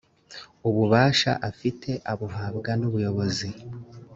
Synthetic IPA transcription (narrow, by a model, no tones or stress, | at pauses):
uβuβaːʃa̰ʔafitʰe̞ʔaβuɦaːbɡanuβujo̞βo̞zi